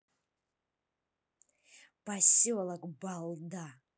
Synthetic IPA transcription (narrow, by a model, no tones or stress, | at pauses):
b̥asiwalakʷʼbalda